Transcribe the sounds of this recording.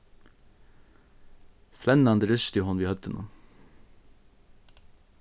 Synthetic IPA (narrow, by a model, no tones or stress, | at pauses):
flɛnɑnd̪əɾʏʃt̪ʏhɔnʋiːhœt̪ənʔṵː